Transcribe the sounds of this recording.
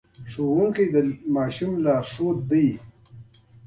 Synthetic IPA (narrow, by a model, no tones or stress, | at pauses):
ʂoːɣuŋkid̪əmɑːʃumlaːʂot̪̚d̪ij